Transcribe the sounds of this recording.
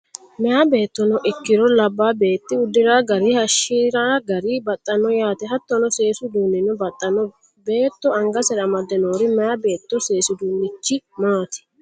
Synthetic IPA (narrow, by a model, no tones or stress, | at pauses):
mɛjabe̞ːt̪ːɔnɔʔɪkːɪɾɔlɐbːaːbe̞ːt̪ːɪʊd̪ːɪɾaːɡɐɾihɐʃːiːɾaːɡɐɾibɐt̪ʼːɐnɔjaːt̪ɛɦɐt̪ːɔnɔse̞ːsʊd̪uːnːɪnɔbɐt̪ʼːɐnɔ | be̞ːt̪ːɔɐŋɡɐsɛɾɐmɐd̪ːɛnoːɾɪmɛjabe̞ːt̪ːɔse̞ːsʊd̪uːnːɪt͡ʃːɪmaːt̪ɪ̥